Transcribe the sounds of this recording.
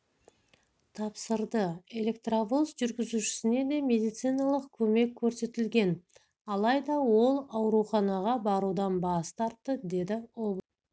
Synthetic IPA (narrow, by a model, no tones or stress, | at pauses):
t̪ʰɑpsəɾd̪əe̞le̞kt̪ravosʒʏɾɡʲɪzuʃɪ̥sɪne̞d̪e̞mʲe̞d̪ijt̪sɨjnɑlˠəqkʲʰɵme̞kʲʰːɵɾse̞t̪ɪlɡʲe̞n | ɑlˠɑjd̪ɑwo̞lˠɑwɾuχɑnɑʁɑbɑɾud̪ɑnbɑst̪ɑɾt̪ːəd̪e̞d̪ɪob